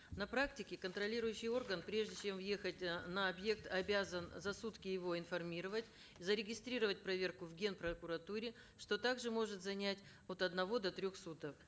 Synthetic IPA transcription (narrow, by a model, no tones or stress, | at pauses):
nɐpɾaktʲɪkʲɪkənt̪ɾɐlʲiɾʊjʉɕːɪjo̞rɡənpɾʲe̞ʐdʲɪt͡ɕe̞mvje̞xətʲnɐɐbje̞k̚t̪ɐbʲazənzɐsut̪kʲɪjɪvo̞ɪnfɐrmʲiɾəvətʲ | zəɾʲɪɡʲɪst̪ɾʲiɾəvət̚ʲpɾɐvʲe̞rkʊvɡʲe̞npɾɐkʊɾɐt̪uɾʲɪ | ʂt̪o̞t̪aɡʐɨmo̞ʐɨt̪zɐnʲætʲ | ot̪ɐd̪nɐvo̞d̪ɐt̪ɾʲo̞xsut̪əf